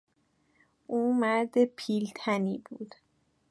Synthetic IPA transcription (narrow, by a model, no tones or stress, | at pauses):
ʔuːmæɾd̪epʰiːlt̪ʰæniːbuːd̪̥